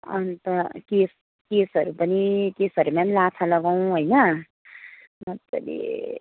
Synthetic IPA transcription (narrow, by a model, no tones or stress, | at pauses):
ʌ̰nt̪ʌkes | kesɦʌɾupʌnikesɦʌɾumanlat̪ʰalʌɡaw̃ɦojnʌ | mʌt̪ːʌ̰lḭ